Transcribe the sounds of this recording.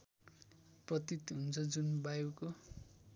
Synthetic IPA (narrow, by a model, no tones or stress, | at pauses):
prʌt̪it̪ɦunt͡sʰʌd͡zunbajoko